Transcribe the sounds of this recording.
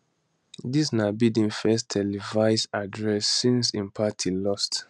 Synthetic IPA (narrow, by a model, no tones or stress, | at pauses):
disnabidĩnfɛstʰɛlivaɪsadɹɛsːĩnsĩnpʰatʰilɔst